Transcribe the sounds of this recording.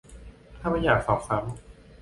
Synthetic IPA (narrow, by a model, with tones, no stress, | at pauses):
t̪ʰaː˥˩ma˧˥˩jaː˨˩k̚sɔː˨˩p̚sa˩˦m